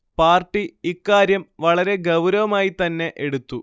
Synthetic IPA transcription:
paːrʈːiikːaːɾjɐmʋɐɭɐɾe̞ɡɐwɾɐʋɐmaːjit̪ɐnːe̞ʔeɽut̪ːu

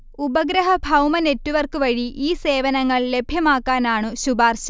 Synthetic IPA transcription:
ubɐɡɾɐɦɐbʱɐwmɐne̞tːuʋɐrkɨʋɐɻiʔiːse̞ːʋɐnɐŋːɐɭle̞bʱjɐmaːkːaːnaːɳɨɕubaːrɕɐ

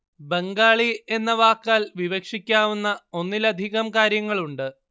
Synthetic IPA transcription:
be̞ŋɡaːɭie̞nːɐʋaːkːaːlʋiʋɐkʂikʲːaːʋunːɐo̞nːilɐd̪ʱiɣɐmkaːɾjɐŋːɐɭuɳɖɨ

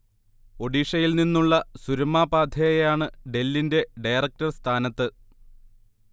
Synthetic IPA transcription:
o̞ɖiːʂɐjilninːuɭːɐsuɾɐmːaːbaːd̪ʱjɐjɐjaːɳɨɖe̞lːinde̞ɖɐjrɐk̚tɐrst̪ʰaːnɐt̪ːɨ

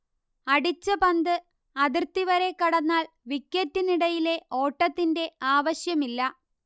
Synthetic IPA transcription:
ɐɽit͡ɕːɐpɐnd̪ɨ | ɐðirt̪ːiʋɐɾe̞kːɐɽɐnːaːl | ʋikʲːɐtːiniɽɐjile̞o̞ːʈːɐt̪ːinde̞aːʋɐɕjɐmilːɐ

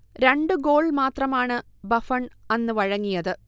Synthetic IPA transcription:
ɾe̞ɳɖɨɡo̞ːɭmaːt̪rɐmaːɳɨ | bɐfɐɳɐnːɨʋɐɻɐŋːijɐðɨ

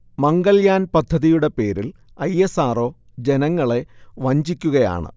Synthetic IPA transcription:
mɐŋɡɐljaːnpɐd̪ʱːɐðijuɽe̞pe̞ːɾil | ɐjesaːro̞ː | d͡ʑe̞nɐŋːɐɭe̞ʋɐɲd͡ʑikʲːuɣɐja̰ːɳɨ̰

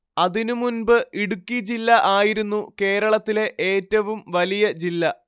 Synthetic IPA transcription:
ɐðinumunbɨʔiɽukʲːid͡ʑilːɐʔaːjiɾunːuke̞ːɾɐɭɐt̪ːile̞ʔeːtːɐʋumʋɐlijɐd͡ʑilːɐ

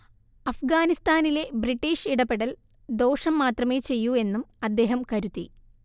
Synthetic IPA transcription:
ɐfɡaːnist̪aːnile̞briʈːiːʂiɽɐpːeɽɐl | d̪o̞ːʂɐmːaːt̪rɐme̞ːt͡ɕe̞jːue̞nːumɐd̪ːe̞ːɦɐmkɐɾut̪ːḭ

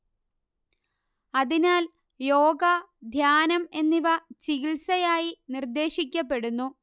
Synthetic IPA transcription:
ɐðinaːl | jo̞ːɡɐd̪ʱjaːnɐme̞nːiʋɐt͡ɕiɣilsɐjaːjinird̪e̞ːɕik̬ʲːɐpːe̞ɽunːu

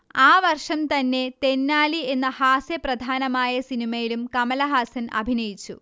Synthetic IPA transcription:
aːʋɐrʂɐmt̪ɐnːe̞t̪e̞nːaːlie̞nːɐhaːsjɐprɐd̪ʱaːnɐmaːjɐsinimɐjilumkɐmɐlɐɦaːsɐnʔɐ̰bʱinɐjit͡ɕːṵ

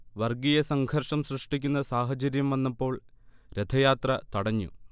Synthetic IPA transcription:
ʋɐrɡijɐsɐŋɡʰʱɐrʂɐmsrɨʂʈikʲːunːɐsaːɦɐt͡ɕɐɾjɐmʋɐnːɐpːo̞ːɭɾed̪ʰʱɐjaːt̪rɐt̪ɐɽɐɲːṵ

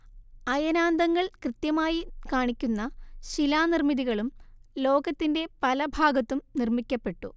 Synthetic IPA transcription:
ɐjɐnaːnd̪ɐŋːɐɭkrɨt̪jɐmaːjikaːɳikʲːunːɐɕilaːnirmiðiɣɐɭumlo̞ːɡɐt̪ːinde̞pɐlɐbʱaːɡɐt̪ːumnirmikʲːɐpːe̞ʈːu

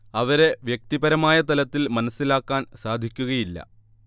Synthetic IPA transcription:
ɐʋɐɾe̞ʋjek̚t̪ibɐɾɐmaːjɐt̪ɐlɐt̪ːilmɐnɐsːilaːkːaːnsaːd̪ʱikʲːuɣɐjilːɐ̰

